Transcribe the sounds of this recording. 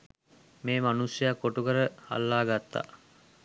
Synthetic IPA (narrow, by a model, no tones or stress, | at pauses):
meːmanusjəjakːoʈukəɾəa̰lːaːɡat̪ːa̰